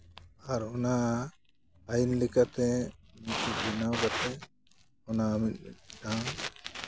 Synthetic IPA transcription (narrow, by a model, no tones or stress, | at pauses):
aɾɔna | ajinlɛkat̪ɛmitibinawɡat̪ɛ | ɔnaːmit̪̚miɖã